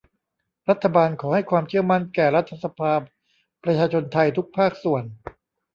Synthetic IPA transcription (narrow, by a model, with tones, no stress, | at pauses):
ɾa˦˥t̪ʰːa˧baː˧nkʰɔː˩˦ha˥˩jkʰwaː˧mt͡ɕʰɯ˥˩əma˥˩nkɛː˨˩ɾa˦˥t̪ʰːa˧sa˧pʰaː˧ | pɾa˧t͡ɕʰaː˧t͡ɕʰo˧nt̪ʰa˧jt̪ʰu˦˥k̚pʰaː˥˩k̚su˨˩ən